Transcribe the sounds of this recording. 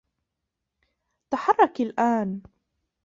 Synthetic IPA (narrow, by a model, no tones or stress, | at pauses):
t̪aħɑrˤːɑkalʔaːn